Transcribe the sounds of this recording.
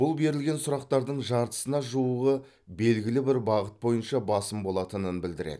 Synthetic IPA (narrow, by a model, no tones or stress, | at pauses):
b̥ʊlˠbe̞ɾɪlɡʲe̞nsʊɾɑq̚t̪ɑɾd̪əɴʒɑɾt̪ə̥sənɑʒuwəʁə | be̞lɡʲɪlɪbɪɾbɑʁət̪̚bo̞jənʃɑbɑsəmbo̞lˠɑt̪ənənbɪld̪ɪɾḛd̪̥ɪ